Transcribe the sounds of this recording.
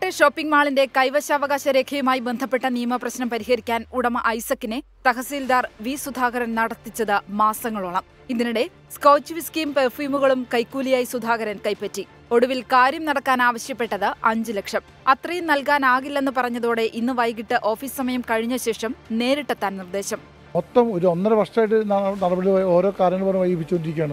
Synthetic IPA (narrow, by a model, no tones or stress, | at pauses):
ɐʈːeɕo̞ːpːiŋɡmaːɭinde̞kɐjʋɐɕɐːʋɐɣaːɕɐɾe̞ːkʰɐjumaːjibe̞nd̪ʱɐpːe̞ʈːɐnijɐmɐprɐɕnɐmpɐɾiɦɐɾikʲːaːnuɽɐmɐʔɐjsɐkːinet̪ɐɣɐsiːld̪aːrʋiːsud̪ʱaːɣɐɾɐnnɐɽɐt̪ːit͡ɕːɐðɨmaːsɐŋːɐɭuɭɐm | iðinuɽe̞ | skɐwt͡ɕːuʋiskiːmperfuːmuɣɐɭumkɐjkːuːlijaːjisud̪ʱaːɣɐɾɐnkɐjpːɐtːi | o̞ɽuʋilkaːɾjɐmnɐɽɐkːaːnaːʋɐɕjɐpːe̞ʈːɐðɨɐɲd͡ʑɨle̞kʂɐm | ɐt̪rɐjumnɐlkaːnaːɣilːɐenːɨpɐrɐɲːɐðo̞ːɽe̞ʔinːɨʋɐjk̬iʈːɨʔo̞ːfiːssɐmɐjɐmkɐɻiɲːɐɕe̞ːʂɐmne̞ːɾiʈːɐt̪ːaːnnird̪e̞ːɕɐm | mot̪ːɐmoɾuonːɐɾɐʋɐrʂaːjʈːɨɐnɐɽɐbɐɽilɐo̞ːɾo̞ːkaːɾjɐŋːɐɭpornmʋɐjɡibit͡ɕːonɖiɾikʲːaːɳɐ